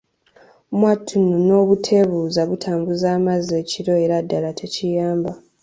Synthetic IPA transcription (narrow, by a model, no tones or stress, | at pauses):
mwatʰːununo̞ːβutʰe̞βuːzaβutʰaːmbuzaːmazeːciɾo̞e̞ɾadːalatʰe̞cijaːmba